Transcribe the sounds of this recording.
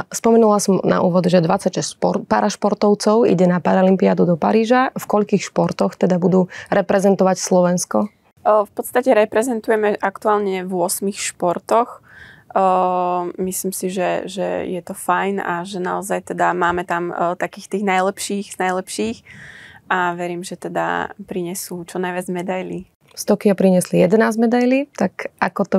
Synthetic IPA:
spɔmɛnulasɔmna̰ʔṵːʋɔd̪ʒɛd̪ʋat͡sacʃɛspɔpaɾaʃpɔɾt̪ɔʊt͡sɔʊḭɟɛnapaɾaɔlimpiad̪ud̪ɔpaɾiːʒafkɔʎkiːxʃpɔɾt̪ɔxt̪ɛd̪abud̪uːɾɛpɾɛzɛnt̪ɔʋacslɔʋɛnskɔ | fpɔt̪st̪acɛɾɛpɾɛzɛnt̪ujɛmɛʔakt̪uaːlɲɛvʊɔsmixʃpɔɾt̪ɔx | misliːmsiʒɛʒɛ̰jɛt̪ɔfajna̰ʒɛna̰ɔzajt̪ɛd̪amaːmɛt̪amt̪akiːxt̪iːɣnajlɛpʃiːɣz̥najlɛpʃiːxʔaʋɛɾiːmʒɛt̪ɛd̪a̰pɾiɲɛsuːt͡ʃɔnajʋɪad͡zmɛd̪ajlḭ | st̪ɔkiapɾiɲɛslijɛd̪ɛnaːzmɛd̪ajliːt̪akakɔt̪ɔ

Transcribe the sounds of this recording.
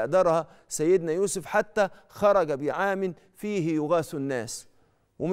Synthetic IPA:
ʔd̪ɑɾˤhɑ | sæjːɪd̪næjuːsʊfħat̪ːæ | xɑɾˤɑɡæbɪjʕaːmɪn | fiːɦɪjʊɣæːθnːæːs | wɪm

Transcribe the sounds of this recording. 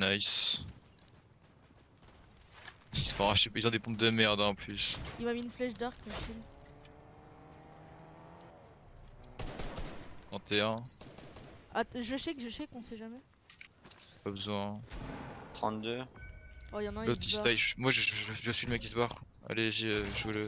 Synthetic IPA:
najs | sisfɔ̃aʃeilzɔ̃d̪epɔ̃p̚d̪əmɛʁd̪ɑ̃plysimamiːnflɛʃd̪aʁkmafilm | ʁɑ̃t̪eɛ̃ | aʒəʃɛkʒəʃɛkɔ̃sɛʒamɛ | pabəzwɛ̃ | t̪χɑ̰̃t̪d̪ø | ɔjɑ̃nalot̪isaʒmwaʒəʒʒʒəsɥiləmɛkisbaʁka | a̰leʒiøʒulə

